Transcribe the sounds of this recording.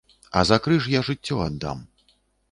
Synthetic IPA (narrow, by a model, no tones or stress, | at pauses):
ɐ̰zakɾɨʂjaʐɨt͡sʲːɔad̪ːa̰m